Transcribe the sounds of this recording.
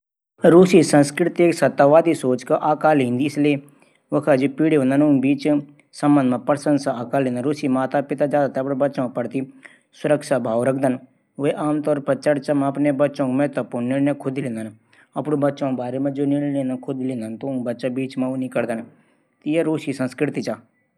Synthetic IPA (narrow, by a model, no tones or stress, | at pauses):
ɾuːsisɐ̃nskɾɪt̪eksɐt̪ːaːʋaːd̪isoːt͡ʃkaʔaːkaːlɦĩːnd̪iɪslie | ʋɐkʰad͡ʒipiːɽeõnd̪ənũnbiːt͡ʃ | sɐ̃mbənd̪mɐ̃pɐɾsə̃nsaaːkaːlẽːnd̪ənɾuːsimaːt̪apɪt̪ad͡ʒaːd̪at̪ʰeɐpnẽbɐtːʃõk̚pɐɽt̪i | sʊɾəkʃabʱaːʋɾɐk̚ʰd̪ən | ʋeʔaːmt̪ɔːɾpɐt͡ʃɐɽt͡ʃamãɐpnebɐtːʃõkmɛɦt̪ɐpunnːiɽnẽkʰʊd̪ʱilẽːnd̪ən | ɐpɽõbɐtːʃõbaːɾemẽd͡ʒoniɽlẽːnd̪akʰʊd̪ilẽːnd̪ənt̪obɐtːʃabiːt͡ʃmɐ̃unĩkɐɾd̪ən | t̪ijeɾuːʃisɐ̃nskɾɪt̪it͡ʃaː